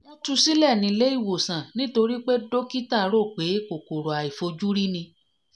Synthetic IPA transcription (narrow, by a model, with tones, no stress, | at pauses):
mo˧tu˧si˦lɛ˦˨nĩ˧˦˧le˦i˦˨wo˨sã˨nĩ˦to˧ɾi˦k͡pe˦do˦ki˦ta˦˨˦ɾo˦˨k͡pe˨˦ko˨ko˨ɾo˨a˨i˨fo˧d͡ʒu˦ɾi˦nĩ˧